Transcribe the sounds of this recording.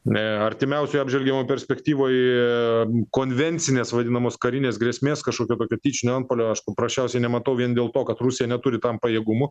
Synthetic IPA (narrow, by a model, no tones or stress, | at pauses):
ɐɾʲt̪ʲɪmʲɛʊsʲoːjɐbʒʲʋʲɛlʲɡʲɛmopʲɛɾʲsʲpʲɛkt̪ʲiːʋoːj | koːnʲʋʲɛnʲt̪t͡s̪ʲɪnʲeːsʋɐd̪ʲɪnɐmoːskɐɾʲɪnʲeːsɡɾʲeɛsʲmʲeːskɐʃkoːkʲoːt̪oːkʲoːt̪ʲiːt͡ʃʲɪnʲoɐnt̪̚poːlʲoːɐʃpɐpɾɐsʲt͡ʃʲɛʊsʲɛɪnʲɛmɐt̪ɐʊʋʲiɛnd̪ʲeːlˠt̪oːkɐt̪rʊsʲɪjɛnʲɛt̪ʊɾʲɪt̪ɐmpɐjeːɡʊmʊ